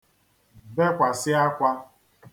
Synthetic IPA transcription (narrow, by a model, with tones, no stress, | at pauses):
be˦kʷa˨sɪ˦a˦kʷa˦